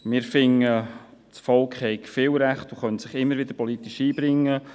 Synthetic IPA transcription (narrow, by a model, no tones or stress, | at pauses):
mɪːɾfɪŋːət͡sfɔlkχhɛɪkfɪːlɾæχtoχœntsɪχɪmːəɾvɪd̪əɾpɔlit̪iʃiːbɾɪŋːə